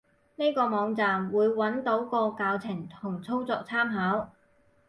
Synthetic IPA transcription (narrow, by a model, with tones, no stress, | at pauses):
ne˥jkɔː˧mɔː˨˧ŋt͡saː˨mwuː˨˧jwɐ˨˥nt̪o˨˥wkɔː˧kaː˧wt͡sʰɪ˨˩ŋt̪ʰʊ˨˩ŋt͡sʰo˥wt͡sɔː˧k̚t͡sʰaː˥mɦaː˨˥w